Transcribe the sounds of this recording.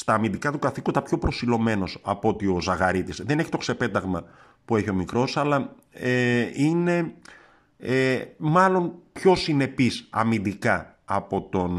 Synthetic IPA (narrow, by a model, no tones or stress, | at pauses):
st̪ɐːmind̪ikɐt̪ukɐθikond̪ɐpço̞pɾo̞silo̞me̞no̞sɐpo̞t̪io̞zɐɣɐɾit̪isðene̞çi̥t̪o̞kse̞pe̞t̪ɐɣmɐ | pue̞çio̞mikɾo̞sɐlɐ | eine̞ | emɐlo̞npço̞sine̞pisɐ̰mind̪ikɐ | ɐpo̞t̪o̞n